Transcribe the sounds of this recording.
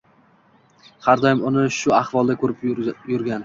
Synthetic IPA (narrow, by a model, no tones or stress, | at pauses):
haɾd̪ɒjmʊnɪʃʊaχvɒlˠd̪akʰɵɾɪpjʊɾɡʲan